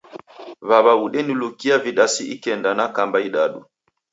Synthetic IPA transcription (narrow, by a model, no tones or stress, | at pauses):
βaβauɗɛnilukiaviɗasiʔikɛndanakambaiɗaɗu